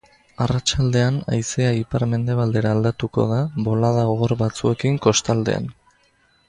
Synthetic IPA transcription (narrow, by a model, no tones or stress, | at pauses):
arat͡ʃald̪e̞ana̰jseaipaɾme̞nd̪e̞β̞ald̪e̞ɾaːld̪at̪uko̞̰ð̞aβo̞lað̞aoɣoɾbat͡sue̞kiŋko̞st̪ald̪e̞̰a̰n